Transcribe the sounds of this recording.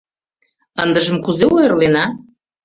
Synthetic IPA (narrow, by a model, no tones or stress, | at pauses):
ənd̪əʒəmkuzeojə̆rlenɑ